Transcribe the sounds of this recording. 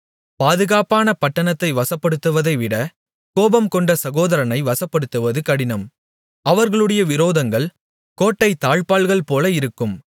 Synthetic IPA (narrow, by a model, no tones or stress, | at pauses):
paːðɯɣaːpaːnɐpɐʈːɐnɐt̪ːɐɪʋɐsɐpːɐɽɯt̪ːɯʋɐðɐɪʋɪɽɐ | koːbɐmkɔɳɖɐsɐɣoːðɐɾɐnɐɪʋɐsɐpːɐɽɯt̪ːɯʋɐðɯkɐɽɪnɐm | ɐʋɐɾɣɐɭɯɽɐjɐʋɪɾoːðɐŋɡɐɭ | koːʈːɐɪt̪ːaːɻpaːɭɣɐɭpoːlɐɪɾɯkːɯm